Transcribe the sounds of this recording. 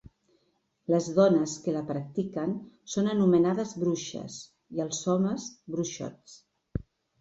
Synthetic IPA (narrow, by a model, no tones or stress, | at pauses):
ləzðɔnəskələpɾək̚t̪ikən | sonənumənaðəzβɾuʃə̰s | iəlˠsɔməzbɾuʃɔ̰t͡s